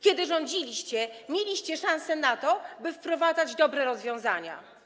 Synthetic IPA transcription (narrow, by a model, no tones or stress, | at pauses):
kʲɛd̪ɘʐɔɲd͡ʑilʲiɕt͡ɕɛmʲjelʲiɕt͡ɕɛʂãñsɛnat̪ɔbɘfpɾɔvad̪zad͡ʑd̪ɔbɾɛɾɔzvʲjɔ̃w̃zaɲa̰